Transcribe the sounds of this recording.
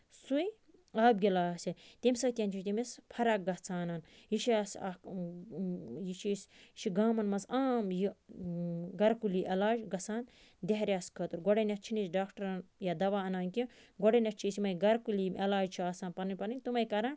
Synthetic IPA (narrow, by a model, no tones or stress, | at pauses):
sui | aːb̚ɡʲilaːsit̪ʲemʲsɐt̪ʲiɐnt͡ʃʰit̪imespʰɐɾɐk̚ɡɐt͡sʰaːnanjiʃiasa | jiʃʰist͡ʃʰiɡaːmɐnmɐsaːmji | ɡɐɾkuliʔelaːd͡ʒɡɐsaːn | d̪eɦɾʲaːskʰɐt̪uɾɡoɽɐnʲɐt͡ʃʰinisɖaːkʈɐɾnjad̪ɐʋaːɐnaːnkiɡoɽɐnʲɐt͡ʃʰisimɐjɡɐɾkulimʔelaːd͡ʒt͡ʃʰiaːsaːnpɐnɐnʲpɐninʲt̪umɐjkɐɾɐn